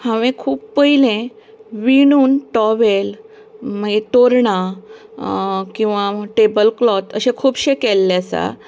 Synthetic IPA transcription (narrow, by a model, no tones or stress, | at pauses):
hãʋẽkʰuːpːəɦjilẽ | ʋinuːnʈɔʋel | m̤əd͡zet̪oɾɳa | kĩw̃ʋaʈebəlklɔt̪əɕẽkʰuːbɕekelːjasa̰